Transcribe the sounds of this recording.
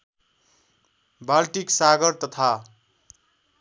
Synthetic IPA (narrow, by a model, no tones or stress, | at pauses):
balʈiksaɡʌɾt̪ʌt̪ʰa